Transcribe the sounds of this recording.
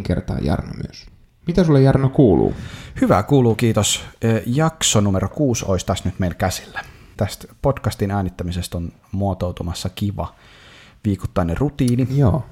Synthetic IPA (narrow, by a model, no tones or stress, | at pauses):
ŋkḛrt̪ɑ̰ːjɑ̰rno̰my̰øs | mit̪æsulːejɑrnokuːlṵːhyʋæ̰kuːluːkiːt̪osːjɑksonumeɾokuːsoist̪æst̪nyt̪meilkæsi̥lːæt̪æst̪potkɑst̪inæːnit̪ːæmisest̪on | muɑt̪owt̪umɑsːɑkiʋɑ̰ | ʋiːku̥t̪ːɑnːerut̪iːnijoː